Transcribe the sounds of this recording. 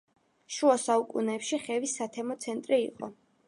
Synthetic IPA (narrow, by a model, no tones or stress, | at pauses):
ʃuasaukʼunɛːpʃiχɛvisːat̪ʰɛmɔt̪sʰɛnt̪ʼɾḭːqʼɔ̰